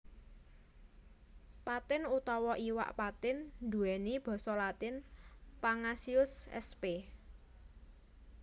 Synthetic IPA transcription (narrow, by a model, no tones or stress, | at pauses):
pat̪ɪnut̪ɔwɔʔiwa̰ʔpat̪ɪnd̪uɛnib̥ɔ̤sɔlat̪ɪnpaŋasiʊsɛ̰spe